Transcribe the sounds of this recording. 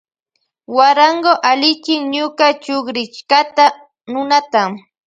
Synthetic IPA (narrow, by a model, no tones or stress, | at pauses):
waɾaɴɢoʔalɪt͡ʃɪŋɲʊkat͡ʃoχɾɪt͡ʃkat̪a | nʊnat̪am